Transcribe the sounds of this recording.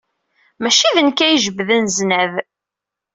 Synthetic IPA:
mæʃiðənkæjəʒəbːðənznæv

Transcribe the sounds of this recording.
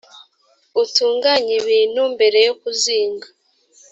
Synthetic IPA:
utuːŋɡaɲiβiːnumbe̞ɾe̞jokuziːŋɡa

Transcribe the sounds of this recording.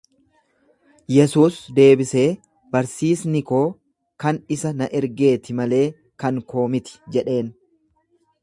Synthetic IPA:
jɛsuːsd̪e̞ːbɪse̞ː | bɐɾsiːsnɪko̞ː | kɐnɪsɐnɐʔɛɾɡe̞ːt̪ɪmɐle̞ː | kɐŋko̞ːmɪt̪ɪ̥d͡ʒɛᶑe̞ːn

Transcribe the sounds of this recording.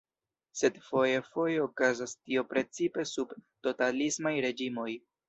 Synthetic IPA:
se̞dfo̞jefo̞jeokazastio̞pɾe̞t͡sipe̞subto̞talismajɾe̞d͡ʒimo̞j

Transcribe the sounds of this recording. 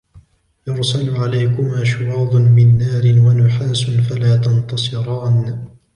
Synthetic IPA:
jʊɾsalʊʕalajkʊmʔaʃʊwɑːd̪ˤʊnmɪnːaːɾɪnwanʊħaːsʊnfalaːt̪ɑnt̪ɑsˤɨɾˤɑːn

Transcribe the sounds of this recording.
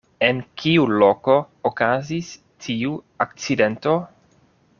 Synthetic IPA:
enkiuloko | okazis | t̪ʰiu | ak̚t͡sident̪o

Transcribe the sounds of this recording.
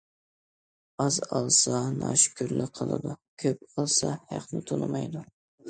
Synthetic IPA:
ɑzɑlˠsɑnɑʃkʲʰyɾlɪqʰəlˠɨ̰d̪ukʲʰøp̚ɑlˠsɑhæqnɪt̪ʰonɨmɑjd̪u

